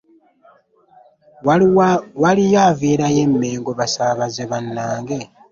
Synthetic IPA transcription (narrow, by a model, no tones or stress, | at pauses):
walijaːviːɾaje̞mːe̞ːŋɡoβasaβazeβanːaːŋɡe̞